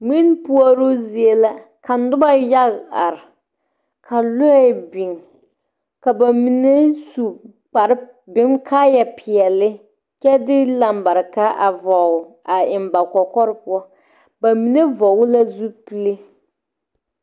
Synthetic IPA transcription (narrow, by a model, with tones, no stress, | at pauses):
ŋ͡mi˦npu˦a˦ɾo˦zi˦˨e˦la˦ | ka˨n˦dʊ˦ba˦ja˦ɣa̰˨ɾɪ˨ | kʰa˨lʊ˦˨˦bi˨ŋ | ka˨ba˨mi˨ne˦su˨ | k͡pa˨ɾɪ˦ | bɪ˨˦ŋkʰaː˦jɛ˨pʰɪ˨ɛ˨lɪ˦ | kɛ˦dɪ˦la˨mba˨ɾka˦ʔa˨vɔ˨ | a˨ɪ˨mba˨kɔ˨kɔ˦ɾɪ˦pʊ˦ɔ˦ | ba˨mi˨ne˦vɔ˨wʊ˦la˦zu˦pi˦le˦